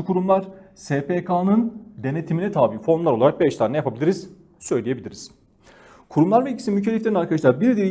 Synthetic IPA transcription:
kʰuɾumlˠaɾ̥seːpʰekʰaːnɯnd̪e̞ne̞t̪ʰiminɛt̪ʰaːbifo̞nlˠaɾlˠaɾak̚bɛʃt̪ʰaːnɛjapʰabilʲiɾiz̥ | sø̞jlʲije̞bilʲiɾiz̥ | kʰuɾumlˠaɾvɛilʲcʰi̥sinmycʰeɛiflʲe̞ɾinaɾkʰad̪aʃlˠaɾbiɾd̪iɾ

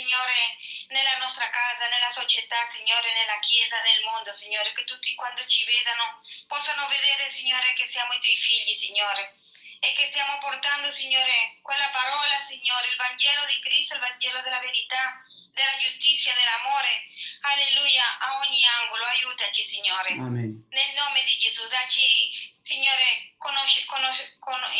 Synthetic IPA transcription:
iɲoːɾenelanɔst̪ɾakazanelasot͡ʃet̪asiɲːoːɾenelakjɛːzanelmond̪osiɲːoːɾeket̪ut̪ːikwand̪ot͡ʃivɛd̪anopɔsːanoveðeːɾesiɲːoːɾekesiamoit̪wɔjfiʎːisiɲːoɾe | ekːest̪jamopoɾt̪and̪osiɲːoːɾekwelːapaɾɔlasiɲːoːɾeilvaɲd͡ʒɛlod̪ikɾist̪oilvaɲd͡ʒɛːlod̪elaveɾit̪a | d̪elad͡ʒust̪it̪sːjad̪elːamoɾealelujaʔaɔɲːiaŋɡoloajut̪at͡ʃisiɲːoːɾenelnomed̪id͡ʒezud̪at͡ʃisiɲːoːɾekonoʃkonoko

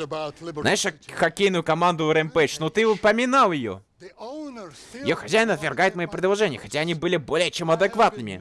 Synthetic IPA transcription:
znajɪʂxɐkʲejnʊjʊkɐmand̪ʊɾɛmpɛt͡ɕnot̪ɨʊpəmʲɪnalˠjɪjo̰ | jɪ̰joxɐzʲæjɪnɐt̪vʲɪrɡajɪt̪mɐjipɾʲɪd̪lˠɐʐɛnʲɪjəxɐtʲaɐnʲibɨlʲɪbo̞lʲɪjət͡ɕemɐd̪ɨkvat̪̚nɨmʲɪ̰

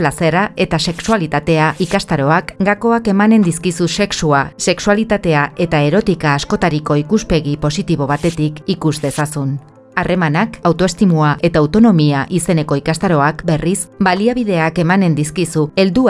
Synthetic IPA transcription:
lase̞ɾae̞t̪ase̞ksualit̪at̪e̞aʔikast̪aɾo̞akɡako̞ake̞mane̞nd̪iskisuse̞ksuase̞ksualit̪at̪e̞ae̞t̪ae̞ɾo̞t̪ikaːsko̞t̪aɾiko̞ikuspe̞ɣipo̞sit̪iβ̞o̞β̞at̪e̞t̪ikikuzd̪e̞sasun | arʔe̞manakawt̪o̞e̞st̪imuaʔe̞t̪aːwt̪o̞no̞miaʔise̞ne̞ko̞ikast̪aɾo̞akbe̞risbaliaβ̞ið̞e̞ake̞mane̞nd̪iskisue̞ld̪u

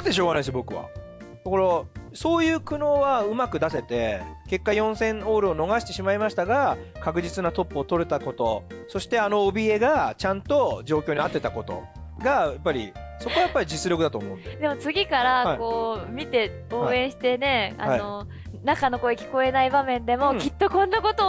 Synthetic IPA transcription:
d̪eɕ̬o̞ːɡanaisɨjobo̞kɯ̟βa̰ | t̪eko̞ɾoso̞ːjɯ̟ːkɯ̟no̞ːβaɯ̟makɯ̟d̪ase̞t̪e̞ke̞kːajõ̞ɰ̃sẽ̞ɴoːɾɯono̞ɡaɕi̥t̪e̞ɕimaimaɕi̥t̪aɡakakɯ̟ʑit͡sɨnat̪o̞pːoːt̪o̞ɾet̪ako̞t̪o̞̰so̞ɕi̥t̪e̞ano̞ːbʲie̞ɡat͡ɕãnt̪o̞d͡ʑo̞ːkʲoːɲiat̪ːe̞t̪ako̞t̪o̞̰ | ɡajapːaɾʲḭso̞ko̞ajapːaɾʲid͡ʑit͡sɨɾjo̞kɯ̟d̪at̪o̞̰ːmõ̞̰ɯ̃ne̥d̪e̞mot͡sɨɡʲikaɾaako̞ːmʲit̪e̞ | o̞ːẽ̞ɰ̃ɕi̥t̪e̞ne̞a̰anio | nakano̞ko̞ekʲi̥ko̞e̞naibamẽ̞nd̪e̞mo̞kʲit̪ːo̞kõ̞nːako̞t̪o

